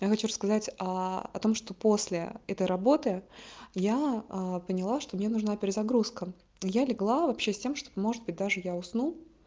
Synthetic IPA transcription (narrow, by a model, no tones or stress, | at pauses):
jaxɐt͡ɕurəskɐzatʲaɐ̰t̪o̞mʂt̪o̞po̞sʲlʲɪ̰ɛt̪əjɾɐbo̞t̪ɨjaəpənʲɪlˠaʂt̪o̞mnʲe̞nʊʐnapʲɪɾʲɪzɐɡɾuskə | jalʲɪɡlˠavɐpɕːesʲtʲe̞mʂt̪omo̞ʐɨd̪̚bɨt̚ʲd̪aʐɨjaʊsnulˠ